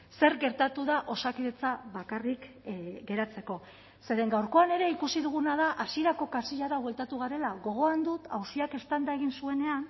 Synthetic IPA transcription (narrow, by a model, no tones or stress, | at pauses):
se̞ɾɡe̞ɾt̪at̪uðaʔo̞sakiðe̞t͡saβakarik | ɡe̞ɾat͡se̞ko̞ | se̞ðe̞ŋɡawɾko̞ane̞ɾe̞ikusiðuɣ̞unað̞aʔasie̞ɾako̞kasiʎaɾaβwe̞lt̪at̪uɣ̞aɾe̞laɣo̞ɣ̞o̞and̪ut̪awsiake̞st̪and̪ae̞ɣ̞insue̞ne̞an